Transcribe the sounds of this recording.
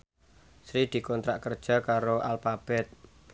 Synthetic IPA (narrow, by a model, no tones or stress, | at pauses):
sɾid̪̥i̤kɔnt̪ɾa̰ʔkərd̥ʒ̥a̤kaɾoʔalfab̥ɛt̪̚